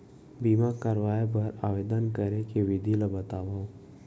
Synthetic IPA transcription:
biːmakəɾʋaːjep̬əɾaːʋeːd̪ənkəɾekeʋɪd̪ʱilabət̪aːʋaːõ

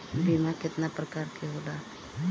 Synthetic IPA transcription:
bimakɪt̪napɾəkaːɾkʰeɦola

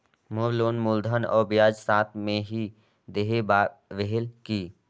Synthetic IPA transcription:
moɾloːnmʊld̪ʱənɔ̰ːɾbɪjaːd͡ʒsaːt̪ʰmẽɦi | d̪eɦebaːʋeɦɪlkiː

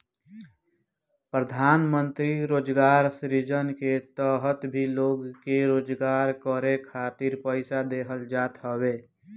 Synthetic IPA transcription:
pɾəd̪ʱaːnmə̃nt̪ɾiɾoːd͡ʒɡaːɾsɾid͡ʒənket̪əːɦət̪bʱiloːɡkeɾoːd͡ʒɡaːɾkəɾekʰaːt̪ɪɾpəɪsad̪eːɦəld͡ʒaːt̪ɦəweː

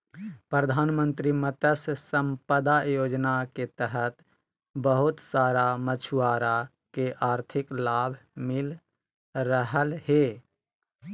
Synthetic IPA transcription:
pɾəd̪ʱaːnmənt̪ɾimət̪əsːəmpəd̪ajoːd͡ʒnaket̪əɦət̪ | bəɦʊt̪saːɾamət͡ʃʰuaːɾa | keʔaːɾt̪ʰɪklaːbʱmɪl | ɾəɦəlɦe

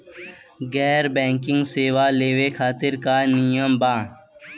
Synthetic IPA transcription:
ɡɛːɾbɛ̃ːŋkɪ̃ŋɡseːwaːleːwekʰaːt̪ɪɾkaːnijəmbãː

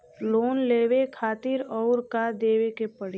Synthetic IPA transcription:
loːnleːwekʰaːt̪ɪɾɔʊɾkad̪eːwekepəɽ

